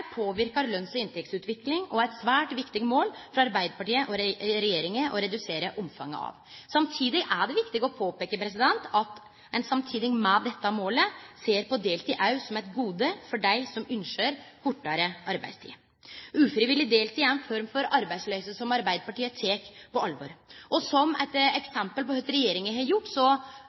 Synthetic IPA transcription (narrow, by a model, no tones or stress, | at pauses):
ɾpʰoːʋɪɾkɑɾlœnsɔɪnt̪ɛk̚t̪sʉːt̪ʋɪklɪŋɔæɪt̪sʋæːʈʋɪkt̪ɪɡmoːlfɾɑɑɾbæɪd̪əpɑʈiːəʔɔɾɾɛjeːɾɪŋəʔɔɾɛd̪ʉseːɾəʔɔmfɑ̰ŋːə̰ɑ̰ʋ | sɑmt̪ʰiːd̪ɪʔæɖɛʋɪkt̪ɪɡɔpʰoːpeːkəpɾɛs̬ɪd̪ɛnt̪ɑt̪ | ɛnsɑmt̪ʰiːd̪ɪŋmɛd̪ɛt̪ːɑmoːləseːɾpɔd̪eːlt̪ʰiːʔɑʉsɔmɛɪt̪ɡuːd̪əfɔɖæɪsɔmʉnʂøːɾkʊʈːɑɾəʔɑɾbæɪd̪st̪ʰḭː | ʉːfɾɪʋɪlːɪd̪eːlt̪ʰiːæɾɛnfɔɾmfɔɾɑɾbæɪd̪slœʏsəsɔmɑɾbæɪd̪əpɑʈiːət̪ʰeːkpʰɔɑlʋɔɾʔɔsɔmɛ̰ɪt̪ɛksɛmpəlpɔœt̪ɾɛjeːɾɪŋəɦɛjʊʈːsɔ